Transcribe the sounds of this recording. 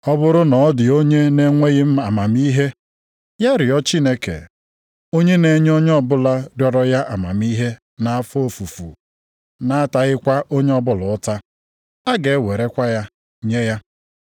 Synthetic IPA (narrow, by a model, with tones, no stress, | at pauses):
ɔ˦bʊ˦ɾʊ˦nɔ˨˦dɪ˨o˦ɲe˦ne˦ŋʷe˦ɣɪ˦m̩˦a˨ma˨mi˦ɦe˦ | ja˦ɾɪ˨ɔ˦t͡ʃi˦ne˦kḛ˨ | o˦ɲe˦ne˨ɲ˦o˦ɲ˦ɔ˦bʊ˦la˦djɔ˦ɾɔ˦ja˦ʔa˨ma̰˨mi˦ɦe˦ | na˨a˦fo˦˨fu˨fṵ˨ | na˦ta˨ɣɪ˦kʷa˦ʔo˦ɲe˦ɔ˦bʊ˦˨lʊ˨ʊ˦ta˦ | a˦ɡe˨e˦we˨ɾe˦kʷa˦ja˦ | ɲe˦ja˦